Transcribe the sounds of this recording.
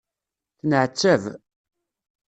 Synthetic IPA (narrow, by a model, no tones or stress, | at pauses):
θnəʕt͡sːæv